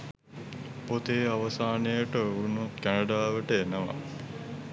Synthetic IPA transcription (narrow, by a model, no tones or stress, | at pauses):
pot̪eːaʋəsaːnejəʈəunut̪kænəɖaːʋəʈəenəʋa̰